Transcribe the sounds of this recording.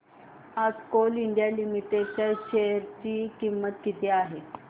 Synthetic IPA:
ad͡zkoliɳɖijalimiʈeɖt͡ɕaɕeɦɾt͡ɕiːkimːət̪kit̪eaɦe

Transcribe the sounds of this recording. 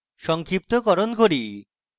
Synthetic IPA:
ʃɔŋkʰɾip̚t̪okɔɾonɡoɾi

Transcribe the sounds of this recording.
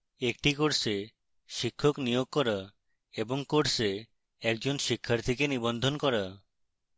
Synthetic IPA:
ek̚ʈikoɽse | ʃikʰːoknijoɡ̚kɔɾa | eboŋkoɽse | ɛk̚d͡ʑonʃikʰːaɾt̪ʰekenibond̪ʱonkɔɾa

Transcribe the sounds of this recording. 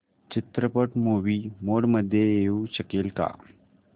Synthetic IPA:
t͡ɕɪt̪ɾəpəʈmoʋiːmoɽməd̪ʱːjeeuɕəkelka̰

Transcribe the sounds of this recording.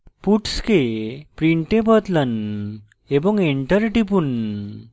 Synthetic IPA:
puʈskepɾiɳʈẽbət̪lən | ebɔ̃ŋɡeɳʈəɾiʈipun

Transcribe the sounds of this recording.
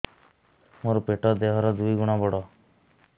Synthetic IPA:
moɾɔpeʈɔd̪eɦɔɾɔd̪ujɡuɽ̃abɔɽɔ

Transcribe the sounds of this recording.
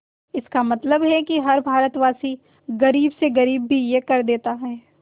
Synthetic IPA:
ɪskamɐt̪ləbɦɛkiɦɐɾbʱaːɾət̪ʋaːsi | ɣɐɾiːbseɡɐɾiːbːʱijekɐɾd̪eːt̪aɦɛː

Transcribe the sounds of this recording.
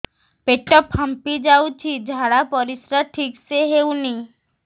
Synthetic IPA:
peʈɔpɦəmpid͡ʒawt͡ʃʰid͡ʒʱaɽapɔɾisɾɔʈʰikseɦewni

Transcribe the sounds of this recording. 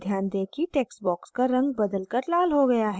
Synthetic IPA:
d̪ʱjaːnd̪eːkiʈeːksbɔːkskaɾɐ̃ŋɡ̚bɐd̪əlkəɾlaːlɦoɡɐjaɦɛ

